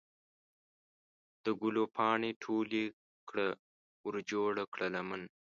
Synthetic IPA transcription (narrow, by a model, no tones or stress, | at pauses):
d̪̥əɡulopʰɑːɳeʈʰoːle | kɽə | ʊɾd͡ʒoːɽakɽəlamən